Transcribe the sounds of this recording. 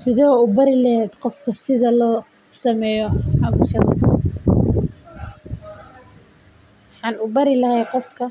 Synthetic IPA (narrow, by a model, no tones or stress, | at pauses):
sɪðɛːʊbɐɾɪlɐɦɛːd̪qɔfkʰɐsɪðɐlɔː | sɐmɛːjɔʕɑβʊʃɐð | wħɑːnʊbɐɾɪlɐhɛjqɔfkʰɐ